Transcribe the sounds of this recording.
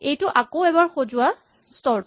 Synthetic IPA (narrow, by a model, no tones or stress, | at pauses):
ejtʊʔakowɛbaɹxozʊwa | stɔɹ